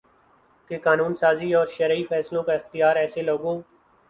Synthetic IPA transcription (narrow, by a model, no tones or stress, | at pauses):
kekaːnuːnsaːziːɔːɾʃəɾifʰɛːslõːkaɪxt̪ɪjaːɾɛːseloːɡõː